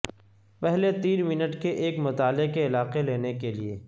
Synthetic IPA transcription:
pɛɦlet̪iːnmɪnəʈkeʔeːkmʊt̪aːlɪkeɪlaːqeleːnekelieː

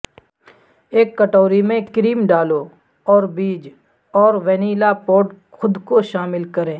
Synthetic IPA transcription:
eːkːəʈɔːɾimẽkɾiːmɖaːlo | ɔːɾbiːd͡ʒ | ɔːɾʋɛniːlapoːɖ | xʊd̪koʃaːmɪlkɐɾẽː

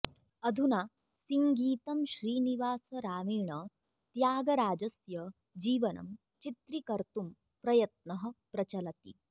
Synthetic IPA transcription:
ɐd̪ʱunaː | siŋɡiːt̪ɐmʃɾiːniʋaːsɐɾaːmiːɳɐ | t̪jaːɡɐɾaːd͡ʒɐsjɐ | d͡ʒiːʋɐnɐ̰m | t͡ʃit̪ɾikɐɾt̪um | pɾɐjɐt̪̚nɐɦɐ̆pɾɐt͡ʃɐlɐt̪ḭ

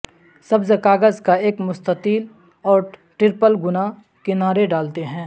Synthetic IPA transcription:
sɐbzekaːɡəzkaeːkmʊst̪ətiːl | ɔːɾʈɾɪɾpəlɡʊna | kɪnaːɾeɖaːlt̪eɦɛ̃ː

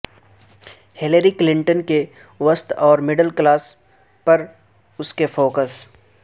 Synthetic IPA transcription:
hɪləɾiklɪ̃ɳʈənke | ʋəst̪ɔːɾmɪɖəlklaːs | pɐɾ | ʊskefoːkəs

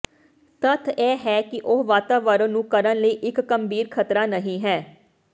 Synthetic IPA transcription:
t̪ət̪ʰɛːɦɛːkɪʔʊɦʋaːt̪aːʋəɾənũːkəɾənləiːʔɪkːəmbʱiːɾkʰət̪ɾaːnəɦĩːɦɛː

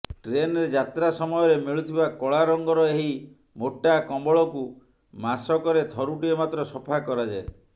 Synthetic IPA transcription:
ʈɾenɔɾed͡ʒat̪ɾasɔmɔjɔɾemiɭut̪ʰibakɔɭaɾɔŋɡɔɾɔeɦi | moʈːakɔmbɔɭɔku | masɔkɔɾet̪ʰɔɾuʈiemat̪ɾɔsɔpʰakɔɾad͡ʒae

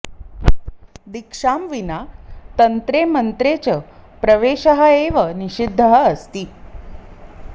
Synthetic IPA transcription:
d̪ikʂamʋinat̪ənt̪ɾemənt̪ɾet͡ɕəpɾəʋeɕəɦəeʋəniɕid̪ʱːəɦəəst̪iː

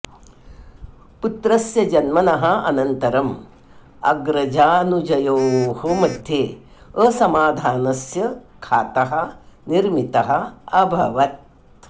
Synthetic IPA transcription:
put̪ɾɐsjɐd͡ʒɐnmɐnɐɦɐ̆ɐ̰nɐnt̪ɐɾɐm | ɐ̰ɡɾɐd͡ʒaːnud͡ʒɐjoːhɐmɐd̪ʱjeː | əsɐmaːd̪ʱaːnɐsjɐkʰaːt̪ɐɦɐ̆niɾmit̪ɐɦɐ̆ɐbʱɐʋɐt̪̚

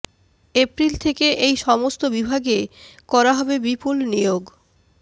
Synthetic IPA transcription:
epɾilt̪ʰekeʔejʃɔmost̪obibʱaɡekɔɾaɦɔbebipulnioɡ

